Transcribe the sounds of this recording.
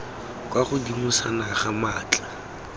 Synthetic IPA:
kʼwaχʊdimusanaχamaːt͡ɬʼa

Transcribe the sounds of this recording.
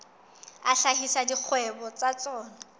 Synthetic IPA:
aɬahisadik͡xʰwɛbɔt͡sat͡sɔːna

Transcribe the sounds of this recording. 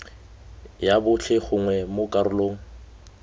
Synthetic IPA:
jabʊɬʰɪχʊŋwɛmʊkʼaɾʊloːŋ̩

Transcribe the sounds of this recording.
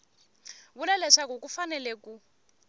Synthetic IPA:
βulɛlɛʂak̬uk̬ʼufanɛlɛkʼu

